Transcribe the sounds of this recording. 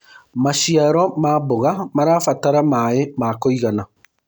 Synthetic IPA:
maʃiaɾɔmaboɣamaɾaːfataɾamaemaːkoiɣana

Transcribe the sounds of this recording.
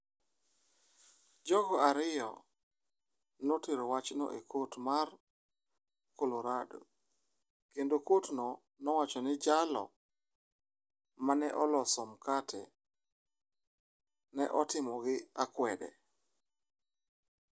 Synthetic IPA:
d͡ʒɔɡɔaɾɪjɔ̰ | noteɾowat͡ʃnɔ̰ʔekotmar | koloɾado̰ | kendokotnɔ | nɔwat͡ʃɔnɪd͡ʒalɔ̰ | manɛʔɔlɔsɔmkatʰɛ̰ | nɛ̰ʔɔtɪmɔɡɪakwɛdɛ̰

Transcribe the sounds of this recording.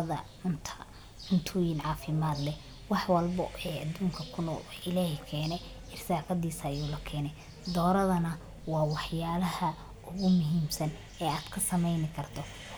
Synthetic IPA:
ɐðɐ | ʊnt̪ʰɐ | ʊnt̪ʰʊjɪnʕɑːfɪmaːd̪lɛ | wɑħwɐlbɐɛːɐd̪uːŋkʰɐkʰʊnɔ̰ːlɪlaːhɛkʰɛːnɛ | ʔɪrsaːfɐðiːsːjuːlɐkʰɛːnɛ | d̪ɔːɾɐðɐnɐ | wɑːwɑħjaːlɐhɐ | ʊɣʊmʊɦiːmsɐn | ɛːaːd̪kʰɐsɐmɛjnɪkʰɐrt̪ʰɔ

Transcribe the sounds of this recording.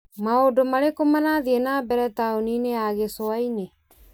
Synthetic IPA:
maodomaɾekomanaðiɛnaːbɛɾɛtaonineaɣesɔaine

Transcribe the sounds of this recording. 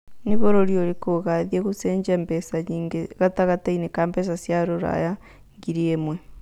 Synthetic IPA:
niβoɾoɾjoɾikoɣaðjeɣuseːɲɟembesaɲiŋɡeɣataɣatainikaːmbes̬asjaɾoɾa̰ja | ŋɡiɾiemwe

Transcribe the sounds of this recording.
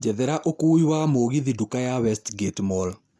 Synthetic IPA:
d͡ʒɛðɛɾaʔokuːiwamoɣiðidukajawɛstɡetmɔl

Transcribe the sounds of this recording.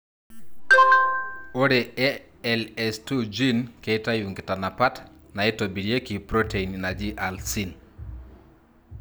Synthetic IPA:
oɾeɛ | ɛlɛstud͡ʒinkejtajuŋɡɪtanapat | naɛtobiɾjekipɾoteinnad͡ʒiʔalsin

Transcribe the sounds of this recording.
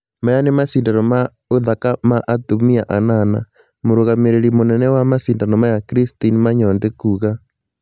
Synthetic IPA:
majanemasiːndanɔma | oðakamaʔatomiaʔanana̰ | moɾoɣameɾeɾimonɛnɛwamasindanɔmajakiɾistinmaɲɔndekuɣa

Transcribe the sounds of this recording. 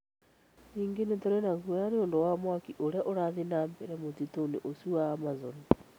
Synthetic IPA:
iːŋɡenetoɾenaɣujaneondowamwakiʔoɾjaʔoɾaðinaːmbɛɾɛmotitonḛʔosuaːmazoni

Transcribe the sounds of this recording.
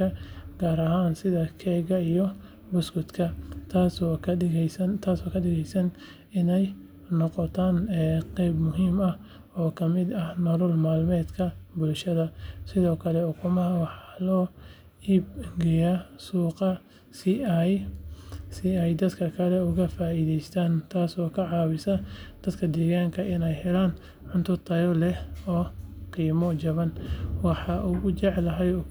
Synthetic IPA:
kʰɐɡ̥aːɾɐɦaːnsɪðɐkʰɛːɣɐijɔ | bʊsɡʊd̪kʰɐt̪ʰas | sɐnt̪ʰaːsɔːkʰɐɗɪɣɛjsɐn | ɪnɛj | nɔqɔt̪ʰaːnɛːqɛjbmʊɦiːmɐh | ɔːkʰɐmɪd̪ɐhnɔlʊlmaːlmɛːd̪kʰɐbʊlʃɐðɐsɪðɔːkʰɐlɛɔkʰʊmɐɦɐwɑħɑlɔː | iːbɡɛjasuːqɑ | sɪj | sɪɛjd̪ɐd̪kʰɐkʰɐlɛʊɣɐfaːiːðɛjst̪ʰaːnt̪ʰaːsɔːkʰɐʕɑːwɪsɐd̪̥ɐd̪kʰɐd̪ɛːɣaːŋkʰɐʔɪnɛjhɛlaːn | ʕʊnt̪ʰʊt̪ʰɐjɔlɛhɔːqiːmɔt͡ʃɐβɐnwɑħɑʔʊɣʊt͡ʃɛʕlɐɦɛj

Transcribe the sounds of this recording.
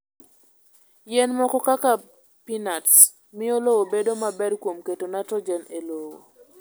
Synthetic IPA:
jɛnmɔkɔkaka | pinats | mɪolowobedomabɛɾkwomketonatɔd͡ʒɛnelowo̰

